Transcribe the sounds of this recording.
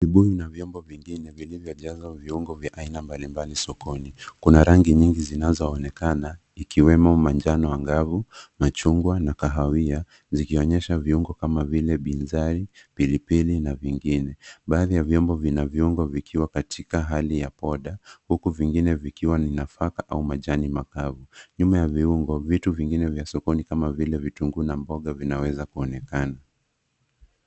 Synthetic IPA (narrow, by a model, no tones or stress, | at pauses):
viɓuinavjɔmbɔviŋɡinɛvilivjɔʄazaviuŋɡɔvjaʔainambalimbalisɔkɔnikunaɾaŋɡiɲiŋɡizinazɔːnɛkana | ikiwɛmɔmaɲd͡ʒanɔwaŋɡavumat͡ʃuŋɡwanakaɦawia | zikiɔɲɛʃaviuŋɡɔkamavilɛɓinzaɾipilipilinaviŋɡinɛɓaːðijavjɔmbɔvinavjiuŋɡɔvikʰiwakatʰikaɦalijapɔɗahukuviŋɡinɛvikiwaninafakaʔaumaʄanimakavuɲumajaviuŋɡɔvituviŋɡinɛvjasɔkɔnikamavilɛvituŋɡunambɔɠavinawɛzakuɔnɛkana